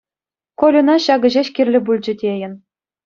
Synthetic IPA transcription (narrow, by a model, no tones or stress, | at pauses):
kolʲunɑɕɑɡɤ̆ʑeɕkʲirʲlʲɘ̆bulʲd͡ʑɘ̆dʲejɘ̆n